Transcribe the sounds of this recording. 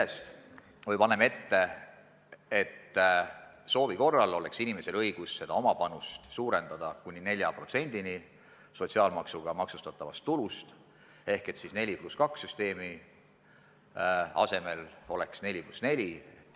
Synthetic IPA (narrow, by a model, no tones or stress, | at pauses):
eest̪ | vɤjpɑneme̞t̪ːe̞ | et̪ː | so̞ːviko̞rːɑlo̞le̞ksinime̞se̞lɤjɡ̥usse̞d̪̥ɑo̞mɑpɑnust̪suːɾe̞nd̪̥ɑd̪̥ɑkunʲːine̞lʲjɑpro̞t̪se̞nʲd̪̥ini | so̞t̪ʲsiɑːlmɑksuɡ̥ɑmɑksust̪ɑt̪ːˑɑvɑ̰st̪ːulust̪ | e̞hke̞t̪sisne̞lʲipluskɑksːyst̪e̞ːmi | ɑ̰se̞me̞lo̞le̞ksne̞lʲiplusne̞lʲi